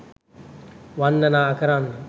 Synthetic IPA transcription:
ʋanːənaːɐkəɾaːnː

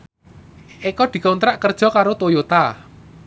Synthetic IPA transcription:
ʔekɔd̪̥i̤kaunt̪ɾaʔkərd̥ʒ̥ɔ̤kaɾot̪ojot̪a

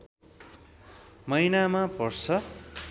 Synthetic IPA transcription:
mʌjnamapʌrt͡sʰʌ

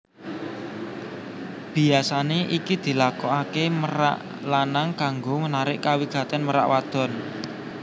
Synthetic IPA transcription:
b̥i̤asaneʔikid̪̥i̤lakɔakeməɾa̰ʔ | lanaŋkaŋɡomənaɾɪʔkawiɡ̥a̤t̪ɛnməɾa̰ʔwad̪̥ɔ̤n

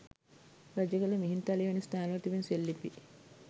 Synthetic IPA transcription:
ɾɐd͡ʒɐɡɐlɐmiɦint̪ɐliʋɐnist̪aːnɐʋɐt̪iʋinselːipi

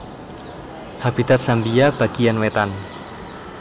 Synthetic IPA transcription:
hab̥it̪at̪̚sambijab̥a̤ɡ̥ijanwet̪an

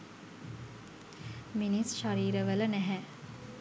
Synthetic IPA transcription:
minisʃaɾiːɾəʋələnæɦɛ

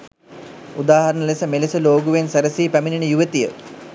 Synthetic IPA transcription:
ud̪aːɦɐɾənəlesəmelesəloːɡuʋensɐɾəsiːpæmininəjuʋet̪ijə

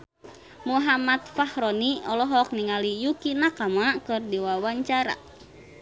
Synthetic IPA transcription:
muɦamat̪̚fahɾɔniɔlɔɦɔk̚niŋalijukinakamakɨrdiwawaɲt͡ʃaɾa̰

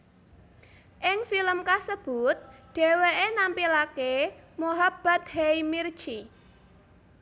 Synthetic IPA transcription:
ʔɪŋfiləmkasəb̥ʊt̪̚ɖ̥e̤weʔenampilakemuɦab̥a̤t̪̚heimir̥t͡ʃi

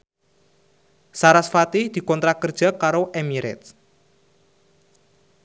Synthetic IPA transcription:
saɾasfat̪ɪhd̪̥i̤kɔnt̪ɾakərd̥ʒ̥a̤kaɾoʔemiɾɛ̰t̪̚

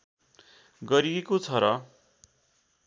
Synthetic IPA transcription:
ɡʌɾiekot͡sʰʌɾʌ

